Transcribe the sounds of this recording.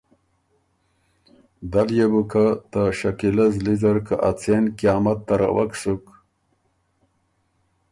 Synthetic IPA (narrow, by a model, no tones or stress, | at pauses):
d̪aljebukʰat̪aɕakilɐzlizaɾkaʔat͡senkijɑːmat̪ːaɾa̰waksuk